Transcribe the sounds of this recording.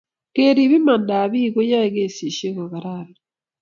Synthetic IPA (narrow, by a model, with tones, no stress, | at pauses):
ke˦ɾi˨βi˦ma˨nda˨βi˦ɡo˦ja˦eɡe˨si˨ʃe˦ka˨βa˨ɾala